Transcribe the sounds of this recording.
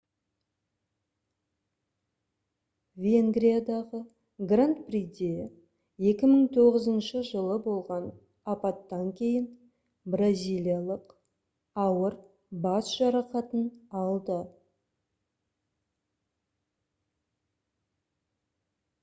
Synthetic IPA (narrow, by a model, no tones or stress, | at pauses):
vʲeŋɡɾijad̪ɑʁə | ɡrant̪prid̪ʲe | je̞kʲɪməɴt̪ʰo̞ʁəzənʃəʒəlˠəbo̞lˠʁɑn | ɑpɑt̪ːɑŋkʲʰe̞jɪn | brazʲijlʲijalˠəq | ɑwəɾ | bɑsʒ̥ɑɾɑqɑt̪ənɑlˠd̪ə